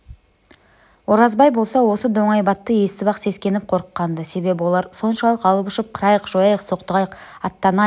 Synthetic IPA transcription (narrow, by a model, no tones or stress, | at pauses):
wo̞ɾɑzbɑjbo̞lˠsɑwo̞səd̪o̞ɴɑjbɑt̪ːəje̞st̪ɪbɑqse̞skʲe̞nɪp̚qʰo̞ɾəqːɑnd̪əse̞be̞bɪwo̞lˠɑɾso̞nʃɑlˠəqɑlˠəpʏʃɪp̚qʰəɾɑjəqʒo̞jɑjəqso̞q̚t̪əʁɑjəqɑt̪ːɑnɑ